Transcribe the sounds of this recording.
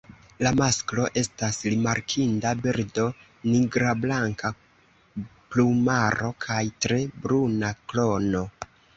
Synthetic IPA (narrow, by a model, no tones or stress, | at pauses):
lamasklo̞ʔe̞stasɾimaɾkʰindabiɾdo̞ | niɡɾablaŋka | plumaɾo̞kʰajtɾe̞bɾunaklo̞no̞